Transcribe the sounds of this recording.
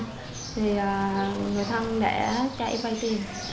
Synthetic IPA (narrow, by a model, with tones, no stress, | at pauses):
t̪ʰi˨˩əː˨˩ŋɨ˨˩əjt̪ʰa˧ŋɗḛ˧˩˥t͡ɕa̰˧ʔjva˧jt̪i˧n